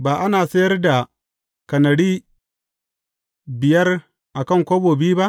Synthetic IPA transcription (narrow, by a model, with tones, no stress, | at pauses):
baː˨ʔa˦naː˨sɐ˦jɐ˦rda˨ | kɐ˨nɐ˨ɽiː˦ | bɪ˨jɐ˦r | ʔa˨kɐ˦˨ŋkʷoː˦boː˨biː˦ba˦ʔ